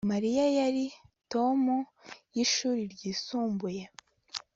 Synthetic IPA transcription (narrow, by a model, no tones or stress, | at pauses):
maɾijajaɾito̞mujiʃuːɾiɾɟiːsuːmbuje